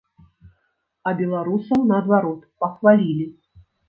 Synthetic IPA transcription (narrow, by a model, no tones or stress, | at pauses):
ɐbʲɛlˠaɾusɐwnɐːd̪vaɾɔt̪pɐxvalʲilʲi